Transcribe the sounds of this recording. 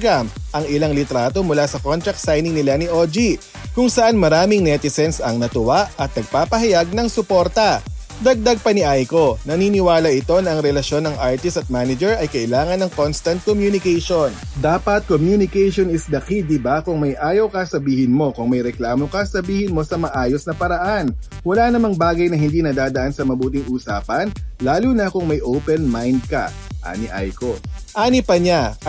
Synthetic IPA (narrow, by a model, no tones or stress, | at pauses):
ɡamʔɐŋɪlaŋlɪt̪ɾaːt̪o̞mʊlasɐkont̪ɾɐk̚t̪sajnɪŋnɪlanɪʔo̞d͡ʒi | kʊŋsɐʔanmɐɾaːmɪŋnɛt̪ɪsɛnsɐŋnɐt̪ʊwaʔɐt̪̚nɐɡ̚paːpɐɦɐjaɡ̚nɐŋsʊpo̞ɾt̪ɐ | d̪ɐɡ̚d̪ɐɡ̚pɐnɪʔajko̞nɐniːnɪwaːlɐʔɪt̪o̞nɐʔɐŋɾɛlɐʃjo̞nːɐŋʔaɹt̪ɪst̪ɐt̪̚maːnɐd͡ʒɛɹʔɐjkɐʔɪlaːŋɐnɐŋko̞nst̪ɐnt̪̚komjunɪkɛjʃond̪aːpɐt̪̚komjunɪkɛjʃonɪsd̪ɐkɪd̪ɪbakʊŋmɐjʔaːjɐwkɐsɐbiːhɪnmo̞kʊŋmɐjɾɛklaːmo̞kɐsɐbiːhɪnmo̞sɐmɐʔaːjo̞snɐpɐɾɐʔan | wɐlanɐmɐŋbaːɡɐjnɐɦɪnd̪iːnɐd̪aːd̪ɐʔansɐmɐbuːt̪̬ɪŋʔuːsaːpɐnlaːluːnɐkʊŋmɐjʔowpɛnmajnd̪̚kɐ̰ | ʔa̰ːnɪʔa̰jkoʔaːnɪpɐɲa